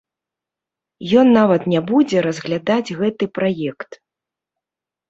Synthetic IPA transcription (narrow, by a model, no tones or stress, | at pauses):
jɔnːavɐt̪nʲabud͡zʲɛɾɐzɣlʲad̪ad͡zʲɣɛt̪ɨpɾajɛkt̪